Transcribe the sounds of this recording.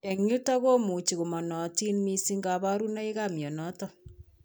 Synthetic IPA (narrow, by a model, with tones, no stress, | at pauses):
e˨ŋu˦ta˦ɣo˦mu˨t͡ʃi˨ɣu˨mɔ˨nɔ˨ti˦nmi˦si˦ŋɡa˨βa˦ɾu˦na˦i˦ɣa˦˨mjɔ˨nɔ˦tɔ˦